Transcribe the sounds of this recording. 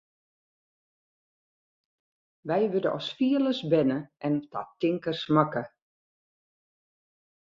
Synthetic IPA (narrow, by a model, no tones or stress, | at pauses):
ʋɛjʋødəʔɔ̰sfiələsbɛnəʔɛntʰa̰tɪŋkərsmakə